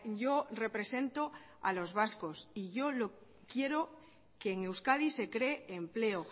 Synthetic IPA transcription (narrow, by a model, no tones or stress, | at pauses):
ʝo̞re̞pɾe̞se̞nt̪o̞ | a̰lo̞zβasko̞siʝo̞lo | kje̞ɾo̞ | ke̞ːŋe̞wskaðise̞kɾe̞ːmple̞o